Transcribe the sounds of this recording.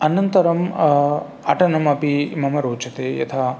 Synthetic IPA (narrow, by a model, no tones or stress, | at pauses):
ɐnɐnt̪ɐɾɐm | ɐ̰ʈɐnɐmɐpimɐmɐɾoːt͡ʃɐt̪eːjɐ̰t̪ʰaː